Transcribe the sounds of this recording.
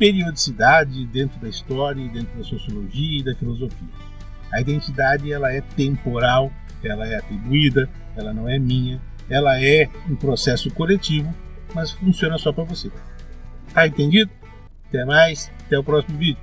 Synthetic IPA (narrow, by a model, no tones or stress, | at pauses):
peɾiod͡ʒisid̪ad͡ʒɪd̪ẽnt̪ɾʊd̪ɐist̪ɔɾjɐid̪ẽnt̪ɾʊd̪ɐsosioloʒiɐid̪ɐfilozofiɐ | ɐid̪ẽnt͡ʃid̪ad͡ʒɪɛlɐɛt̪ẽmpoɾaw | ɛlɐɛat̪ɾibuid̪ɐ | ɛlɐnɐ̃w̃ɛmĩɲɐ | ɛlɐɛũpɾosɛsʊkolet͡ʃivʊ | mɐsfũsiõnɐsɔpɾɐvose | aẽnt̪ẽnd͡ʒid̪ʊ | t̪ɛ̃majsat̪ɛʊpɾɔsimʊvid͡ʒʊ